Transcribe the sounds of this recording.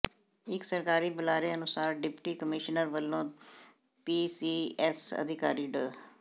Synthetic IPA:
ɪksəɾkaːɾiːbəlaːɾeːənʊsaːɾɖɪpʈiːkəmɪʃnəɾʋəlːõː | piːsiːɛsə̰d̪ʱɪkaːɾiːɖəː

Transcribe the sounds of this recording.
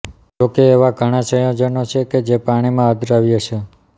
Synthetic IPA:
d͡ʒokeːʋaɡʱəɽ̃ãʃəjõd͡ʒənot͡ʃʰeked͡ʒepaɽ̃imãɦəd̪ʱɾaʋjəʃʰe

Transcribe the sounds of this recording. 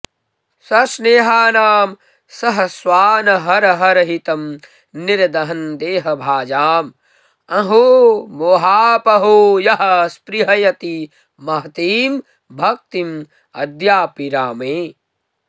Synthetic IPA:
sɐsneːɦaːnaːm | sɐɦɐswaːnɐɦɐɾɐɦɐɾɐɦit̪ɐm | niɾɐd̪ɐɦɐnd̪eːɦɐbʱaːd͡ʒaːm | ɐɦumoːɦaːpɐɦujɐɦɐspɾiɦɐjɐt̪i | mɐɦɐt̪iːm | bʱɐk̚t̪im | ɐd̪jaːpiɾaːmeː

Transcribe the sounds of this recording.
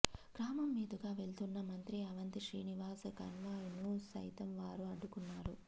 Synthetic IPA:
ɡ̥ɾaːmɐmːiːd̪ɐɡaːʋe̞ɭt̪unːɐmɐnt̪ɾiɐʋɐnt̪iʃɾiːniʋaːsɐkɐ̰nʋaːjinusɐ̰jt̪ɐmʋaːɾuɐɖːukunːaːɾu

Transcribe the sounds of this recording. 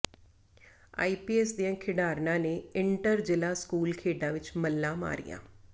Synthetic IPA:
a̰ːiːpiːɛːsd̪ijãːkʰɪɖaːɾnãːneːɪɳʈəɾd͡ʒɪlaːskuːlkʰeːɖãːʋɪt͡ʃməlːãːma̰ːɾɪ̰jã̰ː

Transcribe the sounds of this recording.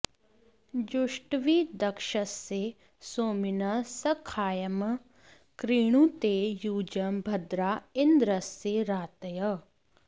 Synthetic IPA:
d͡ʒʊʃʈʋid̪ɐkʃəsːe | soːmɪnɐsəkʰaːjɐm | kɾiːɽ̃ũt̪eːjuːd͡ʒɐmbʱɐd̪ɾaːɪnd̪ɾəsːeɾaːt̪ɐjə

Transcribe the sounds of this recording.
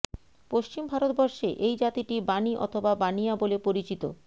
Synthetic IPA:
poʃt͡ɕimbʱaɾot̪̚bɔɾʃeʔejd͡ʑat̪iʈibaniʔɔ̰t̪ʰobabanijabolepoɾit͡ɕit̪o̰

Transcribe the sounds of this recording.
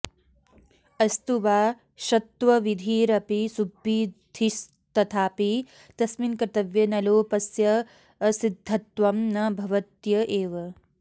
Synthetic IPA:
ɐst̪uʋaː | ʃɐt̪ʋɐʋid̪ʱiːɾɐpisubʱːiːd̪ʱiʃ | t̪ɐt̪ʰaːpi | t̪ɐsminkɾt̪ɐʋjɐnɐloːpɐsjɐ | ɐsid̪ʱːɐt̪ʋɐmnɐbʱɐʋɐt̪jɐʔeːʋɐ

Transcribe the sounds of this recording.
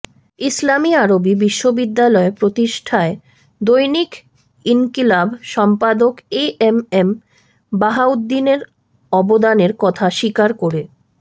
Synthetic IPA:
islamiaɾobibiʃːobid̪ːalɔepɾot̪iʃʈʰae | d̪ojnik | inkilabʃɔmpad̪okeemem | baɦaud̪ːineɾ | ɔbod̪aneɾkɔt̪ʰaʃikaɾkoɾe

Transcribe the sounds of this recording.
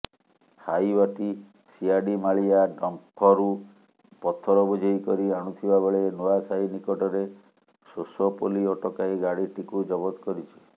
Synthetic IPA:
hajwaʈi | siaɖimaɭijaɖɔmpʰːɔɾu | pɔt̪ʰɔɾɔbɔd͡ʒʱɔikɔɾiaɽ̃ut̪ʰibabeɭenuasainikɔʈɔɾe | sosɔpoliɔʈɔkajɡaɽiʈikud͡ʒɔbɔt̪kɔɾit͡ʃʰi̥

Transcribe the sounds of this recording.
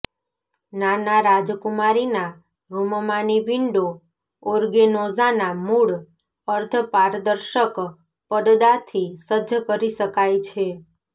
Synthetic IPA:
nanaɾad͡ʒkumaɾina | ɾummaniʋiɳɖo | oɾɡenozanamuɭ | əɾt̪ʰəpaɾd̪əɾʃək | pəd̪d̪at̪ʰisədəkəɾiʃəkajt͡ʃʰe

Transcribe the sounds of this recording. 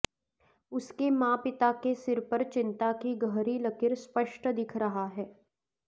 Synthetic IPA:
ʊskemãːpɪt̪akesɪɾpəɾt͡ʃɪ̃nt̪akiɡəɦɾilɐkɪɾspəʃʈd̪ɪkʰɾɐɦaɦɛː

